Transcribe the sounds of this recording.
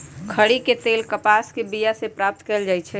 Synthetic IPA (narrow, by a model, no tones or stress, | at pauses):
kʰəɽiket̪eːlkəpaskebijasepɾap̚t̪kɛld͡ʒaːjt͡ʃʰɛ